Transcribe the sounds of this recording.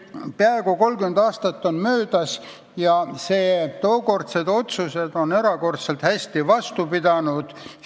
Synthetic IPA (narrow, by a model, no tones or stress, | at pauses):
peɑeɡuko̞lkymend̪ɑːst̪ɑt̪ːo̞nmøːd̪ɑs | jɑseːt̪o̞ːko̞rt̪se̞d̪o̞t̪suse̞d̪̥o̞ne̞ɾɑko̞rt̪se̞lt̪hæsʲt̪ivɑst̪upid̪ɑnud̪̥